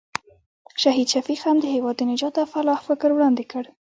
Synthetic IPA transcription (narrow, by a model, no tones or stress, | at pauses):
ʃaɦid̪ʃafixand̪əhewɑd̪ənɪd͡ʒɑt̪afalɑhfɪkɾwɽɑnd̪ɪkəɽ